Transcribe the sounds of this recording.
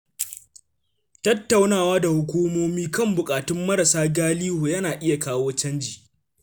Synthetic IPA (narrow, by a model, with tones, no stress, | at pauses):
tɐ˦tːa˨wnaː˦˨waː˦da˨hʊ˦kʷuː˦moː˦miː˦kɐ˦mbʊ˨kʼaː˨tʊ˦mːɐ˦ɾɐ˨saː˦ɡaː˦liː˦hoː˨jɐ˦naː˨ʔɪ˦ja˨kaː˦woː˦t͡ʃɐ˦nd͡ʒiː˨